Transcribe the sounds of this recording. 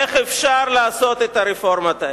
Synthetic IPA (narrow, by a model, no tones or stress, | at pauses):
eχefʃaɾlaːso̞t̪et̪aɾifo̞ɾmat̪a